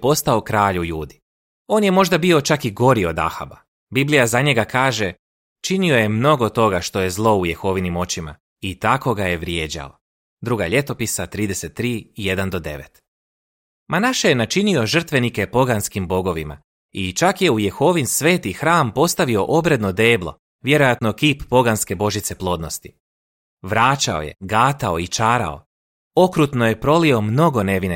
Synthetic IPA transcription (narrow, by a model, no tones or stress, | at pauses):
po̞st̪ao̞kɾaːʎuʎuːd̪i | o̞ːnje̞mo̞ʒd̪abio̞t͡ʃakiɡo̞ɾio̞d̪a̰xa̰ba | biblijazaɲe̞ɡakaːʒe̞ | t͡ʃinio̞je̞mno̞ɡo̞t̪o̞ɡaʃt̪o̞je̞zlˠo̞ujexo̞ːʋinimo̞t͡ɕima̰ | it̪ako̞ɡaje̞ʋɾje̞ːd͡ʑa̰o | d̪ɾuɡa̰ʎe̞t̪o̞pisat̪ɾiːd̪e̞set̪ːɾiːije̞d̪and̪o̞d̪e̞̰ʋḛt̪ | manaʃejenat͡ʃinio̞ʒr̩t̪ʋe̞nike̞po̞ɡanskimbo̞ɡo̞ʋima̰ | it͡ʃakje̞ujexo̞ʋinsʋe̞ːt̪ixɾaːmpo̞st̪aʋio̞ʔo̞bɾe̞d̪no̞d̪e̞ːblˠo̞̰ | ʋje̞ɾo̞jat̪no̞kiːpːo̞ɡanske̞bo̞ʒit̪se̞plˠo̞ːd̪no̞st̪i̥ | ʋɾaːt͡ʃao̞̰je̞̰ɡaːt̪ao̞it͡ʃaːɾa̰o̞̰ | o̞kɾut̪no̞je̞pɾo̞lio̞mno̞ɡo̞ne̞ʋine